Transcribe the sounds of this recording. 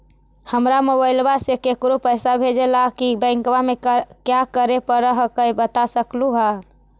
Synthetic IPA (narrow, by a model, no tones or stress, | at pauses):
həmɾamobailbasekekɾopəjsabʱed͡ʒelakibə̃ɪŋkʋamekjakəɾepəɾəɦkəjbət̪asəkluɦa